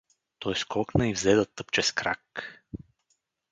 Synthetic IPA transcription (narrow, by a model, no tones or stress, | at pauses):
t̪ɔjskɔknəivzɛd̪ət̪ːɤpt͡ʃɛskɾak